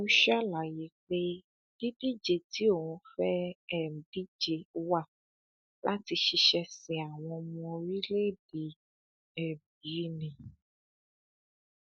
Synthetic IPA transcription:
u˦ʃa˦la˨ji˨˦k͡pe˦ | b̥i˦bi˦d͡ʒe˧˨ti˨˦o˦˨wũ˧fɛ˦ɛ˦˨m˨bi˦d͡ʒe˧wa˦˨ | lʔa˦ti˧ʃi˧ʃɛ˧sĩ˨a˨w̃ɔ̃˧mɔ̃˧ɾi˦le˦˨di˨˦ | ɛ˨b̚i˨˦nĩ˨

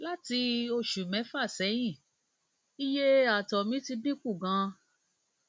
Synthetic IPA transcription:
la˦ti˧o˧ʃu˨mɛ̃˨˦fa˦˨sɛ˨˦j̃ĩ˦˨ | i˦je˦a˨tɔ˨mĩ˨˦ti˧bĩ˦k͡pu˦˨ɡã˧

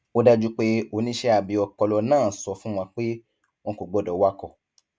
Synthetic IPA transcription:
o˦da˦d͡ʒu˦k͡pe˦o˨˧˦nĩ˦ʃɛ˦a˨bi˨˧˦ɔ˧kɔ˧lɔ˧nãː˦˨sɔ˧fũ˦w̃ã˧k͡pe˦ | mɔ̃˧ko˨ɡ͡bɔ˨˦˨dɔ˨˦wa˦kɔ˧˨

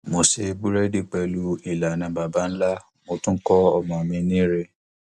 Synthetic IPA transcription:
mo˨se˧bu˦ɾɛ˦di˦˨k͡pɛ˧lu˦i˨la˨nã˨˦ba˨ba˦n̩˦la˦ | mo˧˦tũ˦kɔ˦ɔ˦˨mɔ̃˨mĩ˧nĩ˦ɾe˦

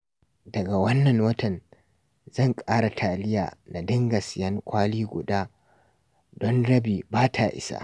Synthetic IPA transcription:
dɐ˨ɡa˨wɐ˦nːɐ˨ŋwɐ˦tɐ˨n | zɐ˦˨ŋkʼaː˦ɽa˨tʰaː˨lɪ˦jaː˨na˨dɪ˦ŋɡɐ˨sɪ˨jɐ˦ŋkʷaː˦liː˦ɡʷʊ̰˨daː˦ | dɔ˦nɽɐ˦biː˨baː˦tʰaː˨ʔɪ̰˦sa̰ː˦

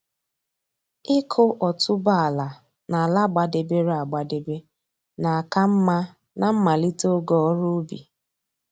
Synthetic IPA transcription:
ɪ˦kʰʊ˦ʔɔ˨tʰʊ˦ba˦a˨la˨ | na˨a˨la˦ɡ͡ba˨de˨be˦ɾa˨ɡ͡ba˨de˨be˦ | na˨a˨ka˦m̩˦ma˦ | na˨m̩˦ma˨li˦to˦ɡɔ˦ɔ˦ɾo˦bḭ˨

